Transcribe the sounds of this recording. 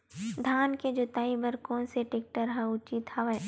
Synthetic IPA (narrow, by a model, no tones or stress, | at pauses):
d̪ʱaːnked͡ʒoːt̪aːĩbɐɾkɔːnseʈeːk̚ʈəɾɦɛ̃ʊt͡ʃit̪hɐʋɛː